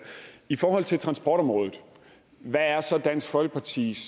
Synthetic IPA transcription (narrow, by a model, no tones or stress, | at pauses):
ifɒːɦɒ̽l̰t͡sʰe̝lt͡sʰʁɑ̈nsb̥ɒ̰ːɾ̥ɒ̽mʁɔːðð̩ˠ | ʋææɐsɒ̽d̥æn̰sɡ̥fɒ̽lɡ̥ə̥pʰɑ̈t͡sʰḭːs